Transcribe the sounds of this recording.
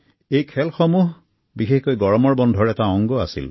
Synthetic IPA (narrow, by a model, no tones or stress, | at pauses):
ejkʰɛlxɔmuɦ | bixexkojɡɔɹɔmɔɹbɔndʱɔɹɛtaɔŋɡɔa̰sḭl